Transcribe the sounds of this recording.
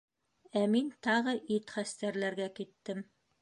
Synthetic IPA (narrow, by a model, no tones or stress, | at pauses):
æmint̪ɑʁɤʔit̪χæst̪æɾlæɾɡækit̪ːɘm